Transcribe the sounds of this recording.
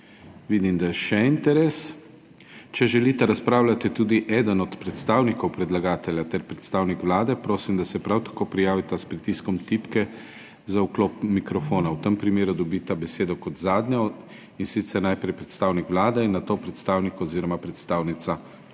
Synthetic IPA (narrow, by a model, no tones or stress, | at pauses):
ʋid̪imd̪ajɛʃɛint̪ɛɾes | t͡ʃɛʒɛlit̪ɛɾaspɾaːwlat̪it̪uːd̪iʔɛːd̪ənɔt̪pɾɛt̪st̪aːwnikɔwpɾɛd̪laɡaːt̪ɛljat̪ɛɾpɾɛt̪st̪aːwnikʋlaːd̪ɛpɾoːsimd̪asɛpɾawt̪ḁkoːpɾijaːʋit̪aspɾit̪iskɔmt̪ipkɛ | zaukloːpmikɾɔfoːnawt̪əmpɾimeːɾud̪ɔbit̪abɛseːd̪ɔkɔt̪zaːd̪nɲɔ | insit̪sɛɾnajpɾɛjpɾɛt̪st̪aːwnikʋlaːd̪ɛinːat̪oːpɾɛt̪st̪aːwnikɔːziːɾɔmapɾɛt̪st̪aːwnit̪sa